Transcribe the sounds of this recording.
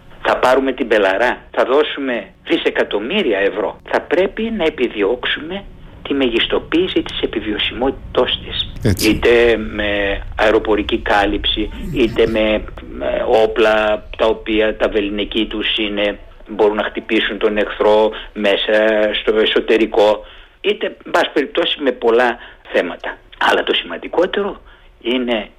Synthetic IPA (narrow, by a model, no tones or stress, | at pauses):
θɐpɐɾume̞t̪ibe̞lɐɾɐθɐðo̞sume̞ | ðise̞kɐt̪o̞miɾiɐe̞vɾo̞̰θɐpɾe̞pinɐe̞piðio̞ksume̞t̪imeʝist̪o̞piːsit̪i̥se̞pivio̞simo̞t̪i̥t̪ost̪esit̪e̞me̞ɐeɾo̞po̞ɾicikɐlipsiit̪e̞me̞ | o̞plɐt̪ɐo̞piɐt̪ɐve̞linecit̪usine̞ | bo̞ɾunːɐxt̪ipisunt̪o̞ne̞xθɾo̞me̞sɐst̪o̞e̞so̞t̪e̞ɾiko̞ | it̪e̞mbɐsi̥pe̞ɾip̚t̪o̞si̥me̞po̞lɐθe̞mɐt̪ɐɐ̰lɐt̪o̞simɐnd̪iko̞t̪e̞ɾo̞ | ine̞